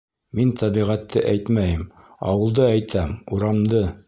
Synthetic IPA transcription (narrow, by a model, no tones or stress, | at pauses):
mint̪ʰɑβiʁæt̪ːɘʔæjt̪mæjɘm | ɑ̰wɤ̆lˠd̪ɤæjt̪ʰæmuɾɑmd̪ɤ